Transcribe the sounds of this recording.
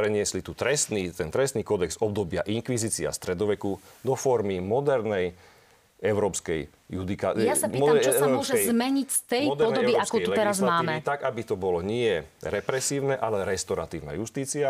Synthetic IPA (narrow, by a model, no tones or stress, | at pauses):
pɾɛɲɪɛslit̪ut̪ɾɛst̪nit̪ɛnt̪ɾɛst̪niːkɔd̪ɛɡzɔb̚d̪ɔbɪa̰ʔiŋkʋiziːt͡sia̰st̪ɾɛd̪ɔʋɛkud̪ɔfɔɾmimɔd̪ɛɾnɛj | ɛʊɾɔːpskɛj | jud̪ikajassapiːɔt̪amt͡ʃɔsamʊɔʒɛɛzmɛɲicst̪ɛjd̪ɛɾɔd̪nɛɔbiaskuɛut̪ɛɾazmaaːimɛit̪aɡabit̪ɔbɔlɔɲɪɛɾɛpɾɛsiːʊnɛʔalɛɾɛst̪ɔɾat̪iːʊna̰just̪iːt͡sia